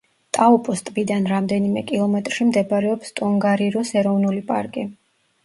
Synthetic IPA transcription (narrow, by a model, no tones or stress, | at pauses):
t̪ʼaupʼɔst̪ʼbid̪anɾamd̪ɛnimɛkʼilˠɔmɛt̪ʼɾʃimd̪ɛbaɾɛɔpst̪ʼɔŋɡaɾiɾɔsɛɾɔvnulipʼaɾkʼi